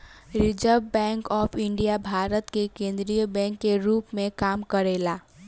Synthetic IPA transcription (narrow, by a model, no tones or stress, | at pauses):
ɾid͡ʒəɾbbɛ̃ŋkɔːpʰiɳɖijabʱaɾət̪kekẽːnd̪ɾijəbɛ̃ŋkːeɾuːpmẽkamkəɾela